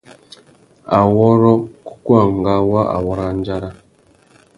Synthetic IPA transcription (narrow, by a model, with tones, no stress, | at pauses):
a˨wɔ˦ɾɔ˦ku̥˦kwa˦˨ŋ˨ɡa˦wa˦a̰˨wɔ˦ɾa˦n˦d͡ʒa˦ɾa˦